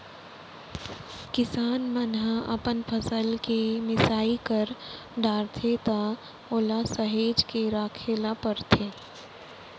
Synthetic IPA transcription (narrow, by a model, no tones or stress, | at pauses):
kɪsaːnmənɦãʔɐ̰pənpʰəsəlkemɪsaːikəɾ | ɖaːɾt̪ʰet̪a | oːlasəɦeːd͡ʒkeɾaːkʰeːlapəɾt̪ʰeː